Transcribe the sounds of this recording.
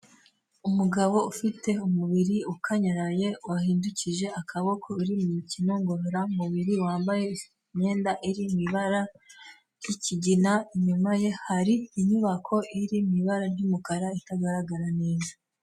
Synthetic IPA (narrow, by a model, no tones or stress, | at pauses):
umuɡaβo̞ufitʰe̞umuβiɾiukʰaɲaɾaje̞wahiːnduciʒe̞akʰaβo̞kʰo̞iɾimumicino̞ŋɡo̞hoɾamuβiɾiwaːmbaje̞ | ɲe̞ːndaʔiɾimiβaɾa | jiciɟinaiɲumaje̞haɾiːɲuβakʰo̞ʔiɾimiβaɾaɾjumukaɾaitaɡaɾaɡaɾaneːzḁ